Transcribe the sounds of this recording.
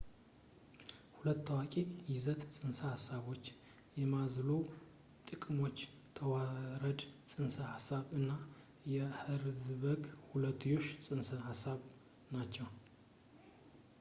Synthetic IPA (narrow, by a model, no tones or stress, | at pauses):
hulət̪ːəwakʼejɪzət̪sʼɨnsəhasaβo̞t͡ʃː | jɛmazlo | t̪ʼɨkʼmo̞t͡ʃː | t̪ʰəwaɾəd̪sʼɨnsəhasːaβɨnːa | jɛhɨɾzɨβəɡhulət̪ʰːujo̞ʃsʼɨnsəhasːaβ | nat͡ʃːɛw